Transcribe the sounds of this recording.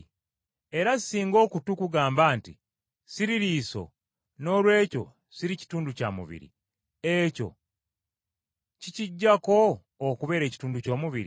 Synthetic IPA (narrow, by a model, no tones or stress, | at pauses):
e̞ɾasiːŋɡo̞ːkutukuɡaːmbaːnti | siɾiɾiːso̞̰ | no̞ːlwe̞ːco̞̰ | siɾici̥tuːnduca̰mṵβḭɾḭ | eco̞̰ | ciciɟːako̞ː | kuβe̞ːɾe̞ːci̥tuːnduco̞ːmuβiɾi